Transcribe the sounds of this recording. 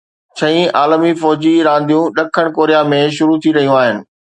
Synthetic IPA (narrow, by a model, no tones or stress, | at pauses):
t͡ɕʰɐ̃ĩaːlmifɔːd͡ʑiɾãːnd̪ʱijũɗɐkʰəɽ̃koːɾijamẽʃ̬ʊɾut̪ʰiɾɐɦijũaːɦɪnɪ̆